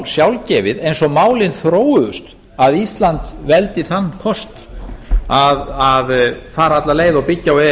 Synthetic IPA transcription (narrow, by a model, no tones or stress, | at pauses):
sjawlcɛːvɪðejnsɔmaːwlɪnθɾoːwʏʏst̪ | aðist̪lant̪vɛlt̪ɪθanːkʰɔst̪ | aðaðfaːɾaat̪laleːjðawpɪcːawɛ